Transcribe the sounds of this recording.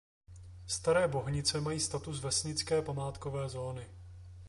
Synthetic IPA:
st̪aɾɛːbo̞ɦɲɪt͡sɛmajiːst̪at̪usvɛsɲɪt͡skɛːpamaːt̪kovɛːzo̞ːnɪ

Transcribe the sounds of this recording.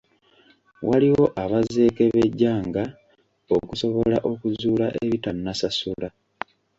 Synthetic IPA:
waliwo̞ʔaβaze̞ːke̞βe̞ɟːaːŋɡa | okuso̞βo̞laʔo̞kuzuːlaʔeβitanːasasula

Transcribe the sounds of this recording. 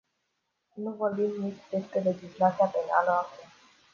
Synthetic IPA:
nuvorbimnit͡ʃd̪e̞spɾele̞d͡ʒislat̪sʲiape̞na̰ləakum

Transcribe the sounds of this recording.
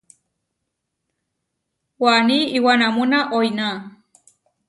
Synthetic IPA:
waniiwanamũnaʔoina

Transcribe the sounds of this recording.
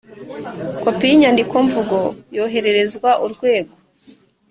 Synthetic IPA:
ko̞pijiɲandikoɱvuɡo̞jo̞ːɦe̞ɾe̞ɾe̞zɡwaʔuɾɡwe̞ːɡo

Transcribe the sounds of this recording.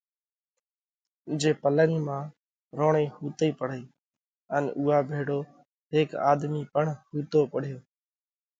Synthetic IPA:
d͡ʒeːpələniːmãː | ɾoːɳẽːhuːt̪iːpəɽ̤iː | ənʊːaːbʱeːɽoː | ɦeːka̰ːd̪miːpəɳhuːt̪oːpəɽ̤ɪjoː

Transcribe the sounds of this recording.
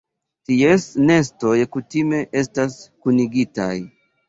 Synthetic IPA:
tie̞sne̞sto̞jkutime̞ʔe̞staskuniɡita̰j

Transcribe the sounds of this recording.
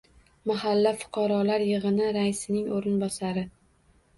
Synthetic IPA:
maɦalːafʊ̥qʰɑɾɒlaɾjɨʁɨnɪɾaɪsɪnɪŋoɾɪnbɒsaɾɪ

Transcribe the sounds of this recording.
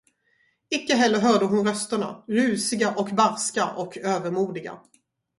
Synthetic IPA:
ɪkːəɦɛlːəɾɦœːɖəɦʊnɾœst̪əɳa̰ɾʉ̟ːsɪɡaʔɔkbaɾskaʔɔkʰøːvəɾmuːd̪ɪɡa̰

